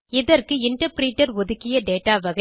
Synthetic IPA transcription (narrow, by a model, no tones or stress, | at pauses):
ɪðɐrkɯɪɳʈɐɾpɾiːʈːɐɾɔðɯkːɪjɐɖeːʈːaːʋɐɣɐ